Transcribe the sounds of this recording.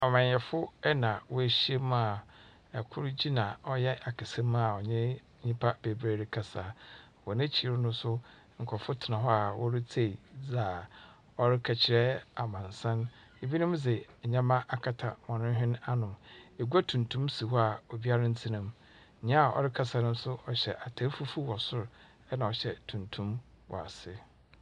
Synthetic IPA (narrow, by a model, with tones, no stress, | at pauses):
ɔ˨mã˨ɲ˨jɛ˨fʊ˦ɛ˦nã˨wɔ˦e˨ɕi˦e˦m˦a˨ | ɛ˨kʰʊ˦ɾd͡ʑi˦nã˨ɔ˦jɛ˦ʔa˨kʰɪ˨sɛ̃˦ma˨ɔ˨ɲɛ̃˦ | ɲĩ˦pʰa˦be˨bɾe˦˨ɾɪ˦kʰa˨saː˨ | wɔ˨nɪ̃˦t͡ɕʰi˨ɾɪ˦nʊ̃˦sʊ˦ | ŋ̩˨kʰɔ˨fʊ˦tʰɪ˨nã˨ɦɔ˦a˨wɔ˦ɾɪ˦t͡sʰe˦˨za˨ | ɔ˦ɾɪ˦kʰa˨t͡ɕʰɪ˨ɾɛ˦a˨mã˨n˨sã˦n | e˨bi˦nĩ˦md͡zɛ˨ɲã˦mã˦ʔa˨kʰa˨tʰa˨mɔ̃˨nʊ̃˦ɦᶣɪ̃˦na˦nʊ̃˨me˨ɡu˦a˦tʰũ˨ntʰũ˦msi˨hɔ˦a˨ɔ˨bi˦a˦ɾã˦n̩˦tʰi˦nã˦m˨ | ã˦a˨ɔ̰˨ɾɪ˦kʰa˨sa˨nʊ̃˦m˦sʊ˦ɔ˨ɕɛ̰˨ʔa˨tʰa˦fu˦fu˦wɔ˨sʊ˦ɾ | ɛ˦nã˨ɔ˨ɕɛ˨tʰũ˨ntʰũ˦m | wɔ̰˨a̰˨sɪ˦